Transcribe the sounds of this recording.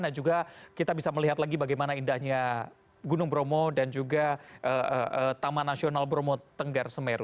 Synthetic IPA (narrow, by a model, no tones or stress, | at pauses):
nad͡ʒuɡakit̪abisaməliɦat̪laɡibaɡajmanaindahɲa | ɡunʊŋbɾomodand͡ʒuɡaʔəəət̪amanasionalbɾomot̪əŋɡarsəmeɾʊ